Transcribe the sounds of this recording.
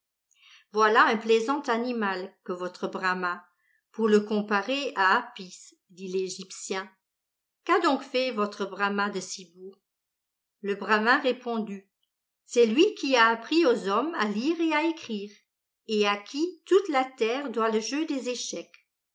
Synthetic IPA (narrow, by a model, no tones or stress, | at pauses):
vwalaɛ̃plezɑ̃t̪animalkəvɔt̪χəbʁama | puʁləkɔ̃paʁeaapis | d̪ileʒipsjɛ̃ | kad̪ɔ̃kfɛvɔt̪χəbʁamad̪əsibuːʁ | ləbʁamɛ̃ʁepɔ̃d̪y | sɛlɥikʰʲiaːpχiozɔmaliːʁeaekχiːʁ | eakʲʰit̪ut̪lat̪ɛʁd̪waləʒød̪ezeʃɛk